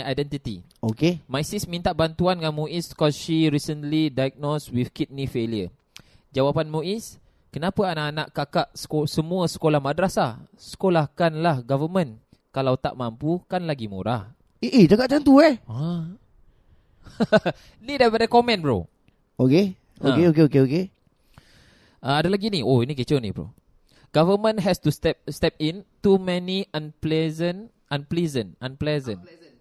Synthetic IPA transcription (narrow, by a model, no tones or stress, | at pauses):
ajdɛnt̪it̪ḭokemajsismĩnt̪aʔbant̪uanŋanmuiskɔsʃiɾisənlidajɡ̚noswifkit̪̚nifeljə | d͡ʒawapanmuʔis | kənapəanaːnaʔkakaʔsə̥osəmũəsə̥kolahmadɾasasə̥kolahkanlahɡavəmə̃n | kalawt̪a̰ʔmampukanlaɡimṵɾah | eʔed͡ʒakaʔ̚t͡ʃant̪uɛa | nidajpadakɔmɛ̃nbɾo̰ | oke | oakeok̬eokeoke | aadalaɡinioinik̬it͡ʃonḭbɾo̰ | ɡ̥avəmə̃nɦɛstust̪ɛp̚st̪ɛp̚ĩntumɛniʔãnplɛzən | ãnplizə̃nãnplɛzə̃n